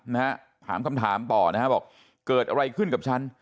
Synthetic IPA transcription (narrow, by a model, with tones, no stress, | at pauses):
na˦˥ha˦˥ | t̪ʰa̰ː˩˦mka˧mt̪ʰaː˩˦mt̪ɔː˨˩na˦˥a˦˥bɔː˨˩k̚ | kɤː˨˩t̪̚ʔa˧ɾa˧jkʰɯ˥˩nka˨˩p̚t͡ɕʰa˦˥n